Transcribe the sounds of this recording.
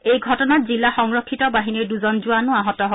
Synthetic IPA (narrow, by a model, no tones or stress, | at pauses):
ejɡʱɔtɔnat̚zilːaxɔŋɹɔkʰːitɔbaɦiniɹduzɔnzʊanʊaɦɔtɔɦo